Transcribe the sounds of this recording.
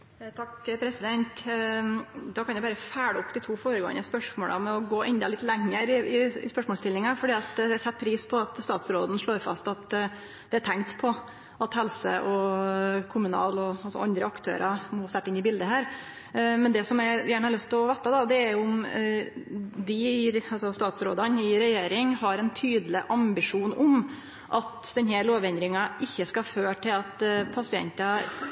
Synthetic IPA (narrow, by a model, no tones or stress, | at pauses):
t̪ʰɑkpʰɾɛsɪd̪ɛnt̪ | d̪ɑkʰɑnjæɪbɑːɾəfæːɽəɔpːd̪ɪt̪ʰuːfoːɾəɡo̰ːə̰nəspœʂmo̰ːlʔɑ̰mɛɔɡoːʔɛnd̪ɑlɪt̪lɛŋːəɾɪɪɪ̰spœʂmɔːst̪ɪlːɪŋɑfɔɖiːɑt̪d̪ɛæɾçɛt̪̚pʰɾiːspʰɔɑt̪st̪ɑːt̪sɾoːd̪n̩ʂɭoːɾfɑ̰st̪ɑt̪ | d̪̥ɛæʈʰɛŋkt̪pʰɔ | ʔɑt̪hɛlsə̰ʔɔ | kʰʊmʉnɑ̰ːlɔɑlsɔ̰ʔɑnd̪ɾəɑkt̪ʰø̰ːɾʔɑmɔst̪æʈːɪnɪbɪld̪əɦæːɾ | mɛnd̪ɛsɔmæjæːɳəhɑɾɭœst̪ʰlɔʋɛt̪ːɑd̪ɑd̪ɛæɾjʊʊm | d̪ɪɑlsɔst̪ɑːt̪sɾo̰ːd̪ɑnɪɾɛjeːɾɪŋɦɑɾɛnt̪ʰyːd̪əlɪʔɑmbɪʂuːnʊm | ʔɑt̪d̪̥ɛnɦæɾɭoːʋɛnd̪ɾɪŋɑʔɪçːəskɑføːʈʰɪlɑt̪pʰɑsɪɛ̰nt̪ɑ